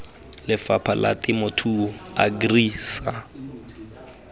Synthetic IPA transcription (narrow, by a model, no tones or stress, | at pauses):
lɪfapʰala̰tɪmʊtʰuaɡriːsa